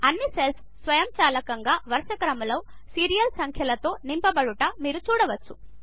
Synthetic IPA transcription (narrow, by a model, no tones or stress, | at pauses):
ɐnːisels | sʋɐjɐmt͡ʃaːlɐkɐŋɡaːʋɐɾʂɐkɐɾɐmɐlɐ | siːɾijɐlsɐŋkʰjɐlɐt̪o̞ːnimpɐbɐɽuʈɐmiːɾut͡ʃuːɽɐʋɐt͡ʃːu